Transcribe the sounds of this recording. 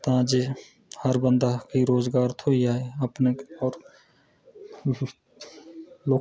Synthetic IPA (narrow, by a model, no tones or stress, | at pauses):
t̪ãd͡ʒe | həɾbə̃nd̪ʱakiɾoːzɡaːɾt̪ʰoːiaːeɐpneɔːɾ | loː